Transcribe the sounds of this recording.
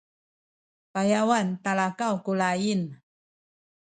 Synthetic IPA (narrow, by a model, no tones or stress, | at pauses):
pajawant̪alakawkulajin